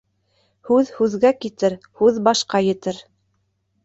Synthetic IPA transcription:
hʉðhʉðɡækit̪ɘɾ | hʉðbɑʃqɑjɘ̆t̪ɘɾ

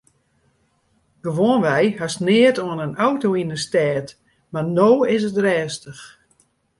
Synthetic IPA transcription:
ɡ̥əʋoənʋɛjhasnɪətoənənawtoːinəstɛːt | marnoːɪs̬ətrɛːstəx

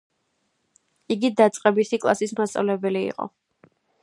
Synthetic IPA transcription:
iɡid̪at̪sʼqʼɛbisikʼlˠa̰sismast̪sʼa̰vlɛbɛliḭqʼɔ̰

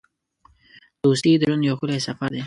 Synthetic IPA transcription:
d̪̥ost̪id̪əɾunjawxulesafaɾd̪e

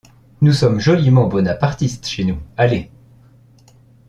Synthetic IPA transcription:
nusɔmʒɔlimɑ̃bɔnapaʁt̪ist̪ʃenuale

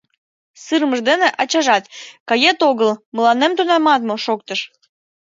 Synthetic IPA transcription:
sɨrməʒd̪eneʔɑt͡ɕɑʒɑt̪kɑjet̪oɣəlməlɑnemt̪onɑmɑt̪moʃok̚t̪əʃ

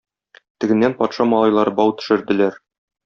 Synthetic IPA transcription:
t̪ɘ̆ɡɘ̆nːænpɒt̪ʃɑmɒlˠɑjlˠɑɾɤbɒwt̪ɵ̥̆ʃɘ̆ɾd̪ɘ̆læɾ

